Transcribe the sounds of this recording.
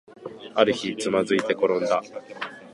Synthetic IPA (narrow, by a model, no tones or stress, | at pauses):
aɾɯ̟çit͡sɨmazɨit̪e̞ko̞ɾõ̞nd̪a